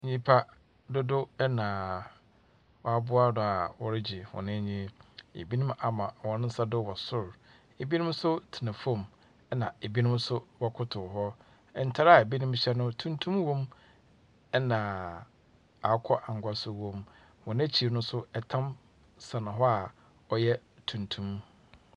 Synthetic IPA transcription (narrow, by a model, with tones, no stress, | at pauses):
ɲĩ˦pʰa˦ | dʊ˦dʊ˦ɛ˦nã˨ | wɔ˨a˦bʊ˦a˦nʊ̃˨a˨wɔ˨ɾɪ˦d͡ʑi˨hɔ̰˨nɪ̃˦ɲĩ˦ḛ˨bi˦nʊ̃˦ma˨mã˨wɔ˨nɪ̃˦n̩˦sa˦dʊ˦wɔ˨sʊ˦ɾ | e˨bi˦nʊ̃˦msʊ˦tʰɪ˨nã˨fõ˦˨m | ɛ˦nã˨e˨bi˦nʊ̃˦msʊ˦wɔ˦kʰʊ˦tʰʊ˨ɦɔ˦˨ | n̩˨˦tʰa˦ɾa˦˨e˨bi˦nʊ̃˦m˦ɕɛ˦nʊ̃˦tʰũ˦ntʰũ˦mwõ˦m | ɛ˦nã˨ | a˨˦kʰɔ˦ʔa˨ŋ̩˨ɡʷa˦sʊ˦wõ˦m | hɔ̃˨ñ˦æ˦t͡ɕʰi˨nʊ̃˦sʊ˦ɛ˨tʰã˦m | sã˨nʊ̃˨ɦɔ˦a˨ | ɔ˨jɛ˦ | tʰũ˨ntʰũ˦m